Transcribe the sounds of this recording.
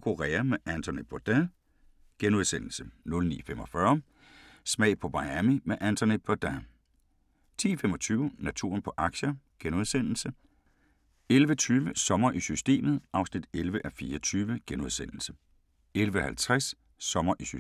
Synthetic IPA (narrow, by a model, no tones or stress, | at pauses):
kʰuʁɛːɐmeʔænt͡sʰone̥b̥ʰɒd̥æ | ɡ̥enuð̞ˠsen̰l̩sənɔ̽lnḭːfemɒ̽fɶɐ | smɛ̰ɪpʰɒ̽bɑ̈ɪæmimeʔænt͡sʰɐne̥bʰɒd̥æ | t͡sʰḭːfemɒ̽t͡sʰyːʊnæt͡sʰṵɐnpʰɒ̽ʔɑ̈ɡ̥ɕɐɡ̥enuð̞ˠsen̰l̩sə | elʋət͡sʰyːʋəsɒ̽mɐʔisysd̥e̝̰ːmð̞̩ˠʔɑ̈ʊsnid̥elʋəʔæfiːɐt͡sʰyːʋəɡ̥enuðˠsen̰l̩sə̥ | elʋəhælt͡sʰʁasː | ɒ̽mɐʔisy